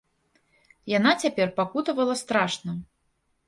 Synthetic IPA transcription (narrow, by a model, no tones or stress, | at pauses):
jan̪at͡sʲapʲɛrpakut̪ɐvɐlˠɐst̪ɾaʂnɐ